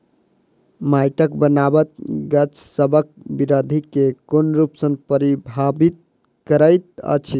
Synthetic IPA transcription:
majʈəkbənabət̪̚ɡət͡ʃsəbʱək̚ | biɾod̪ʱikekonɾupsənpəɾibʱabit̪̚ | kəɾəjt̪̚ə̰t͡ʃʰi

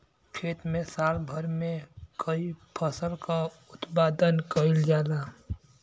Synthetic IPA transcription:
pʰeːt̪mẽsaːlbʱəɾmẽkʰəipʰəsəlka | ʊt̪paːd̪ənkəɪld͡ʒaːlaː

